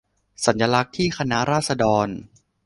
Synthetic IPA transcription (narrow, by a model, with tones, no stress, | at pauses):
sa˩˦nja˧la˦˥k̚t̪ʰiː˥˩kʰa˧na˦˥ɾaː˥˩t̪̚sa˧dɔː˧n